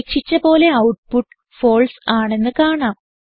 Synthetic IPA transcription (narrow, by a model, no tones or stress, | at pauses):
kʂit͡ɕːɐpo̞ːle̞ɐwʈpuʈːɨ̥ | fo̞ːlsaːɳe̞nːɨkaːɳaːm